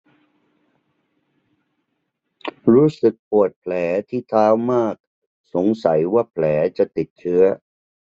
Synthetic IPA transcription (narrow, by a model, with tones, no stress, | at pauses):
ɾuː˦˥sɯ˨˩k̚pu˨˩ət̪̚pʰlɛː˩˦t̪ʰiː˥˩t̪ʰaː˦˥wmaː˥˩k̚ | so˩˦ŋsa˩˦jwaː˥˩pʰlɛː˩˦t͡ɕa˨˩ʔt̪i˨˩t̪̚t͡ɕʰɯ˦˥ɐ